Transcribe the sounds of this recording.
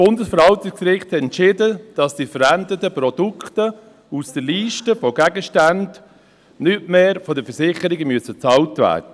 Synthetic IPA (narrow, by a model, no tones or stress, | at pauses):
sb̥ʊndəsfəɾhɑltɪksɾɪχthɛtɛntʃɪdəd̥ɑsd̥ifəɾændətəpɾɔd̥ukχtə | usd̥əliːʃtəfɔɡæɡəʃtand | nytmeːɾfɔdəfəɾsɪχəɾɪɡəmyəsət͡sɑltvæ̰ːɾdə